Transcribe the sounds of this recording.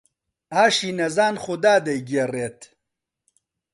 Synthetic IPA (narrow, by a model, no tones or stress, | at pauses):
aːʃiːnɐzaːnχud̪aːd̪ɐjɡereːt̪